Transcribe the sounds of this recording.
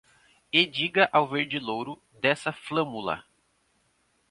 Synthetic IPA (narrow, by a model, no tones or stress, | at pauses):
ed͡ʒiɡɐʔawveɾd͡ʒɪlowɾʊ | d̪ɛsɐflɐ̃mulɐ̰